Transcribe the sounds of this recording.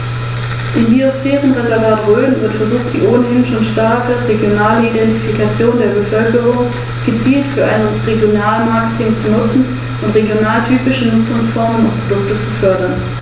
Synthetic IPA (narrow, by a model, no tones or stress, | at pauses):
ʔɪmbiosfɛːʁənʁɔnlabaɐdʁøːnvɪɐtfɛɐzuːxt̚d̥ḭːʔoːnəhɪnʃoːnʃtaɐkəʁeɡjonaːləidɛntifikat͡sjoːndeːɐbəfœlkəʁʊŋ | ɡ̥ət͡siːltfyːɐʔaɪnəʁeɡjonaːlənmaɐkə̥tʰɪŋt͡sunʊt͡sn̩ | ʔʊntʁeɡjonaːltʰyːpɪʃənʊt͡sʊŋsfɔɐmənʊnpʁ̥odʊktət͡sufœɐdɐn